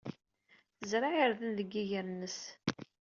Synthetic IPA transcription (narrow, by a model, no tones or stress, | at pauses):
θəzɾˤaʕəɾðənðəɡːijəɾnːəs